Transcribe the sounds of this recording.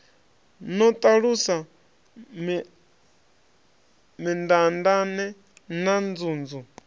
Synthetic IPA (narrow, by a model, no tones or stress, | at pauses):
nɔt̪ʼaɺusa | m | mind̪andanɛ | nand͡zuːnd͡zu